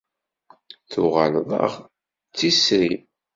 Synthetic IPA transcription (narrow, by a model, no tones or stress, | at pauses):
θʊʁəlðˤɑ̰ʁ | t͡sːisɾim